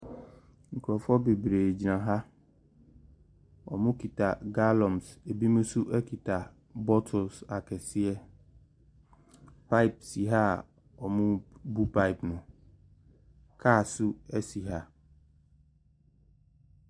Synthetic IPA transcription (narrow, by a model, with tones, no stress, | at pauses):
ŋ̩˨kʰɔ˨fɔ˦be˨bɾeː˨d͡ʑi˨nã˨ɦa˦ | ɔ˨mʊ̃˦kʰi˨tʰa˨ɡa˦lɔ̃˨mse˨bi˦mʊ̃˦su˦ʔɛ˦kʰi˨tʰa˨ | bɔ˦tʰʊ˨sa˨kʰɛ˨sɪ˦ɛ˦ | pʰa˦ɪ˨p̚si˨ɦa˦˨ | ɔ˨mʊ̃˦bu˦pʰa˦ɪ˨pnʊ̃˨ | kʰa˦˨sʊ˦ɛ˦si˨ɦa˦